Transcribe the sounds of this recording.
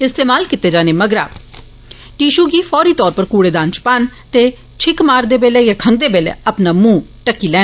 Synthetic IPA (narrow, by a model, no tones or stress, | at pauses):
ɪst̪eːmaːlkɪt̪ːeːd͡ʒaːneːməɡɾa̰ː | ʈiːʃuːɡiːfʰɔːɾiːt̪ɔːɾpəɾkuːɽeːd̪ãːnt͡ʃpant̪eː | t͡ʃʰɪkmaːɾd̪eːbeːlɛːjaːkʰəŋɡ̚d̪eːbeːlḛːəpnaːmũːʈəkːiːlɛː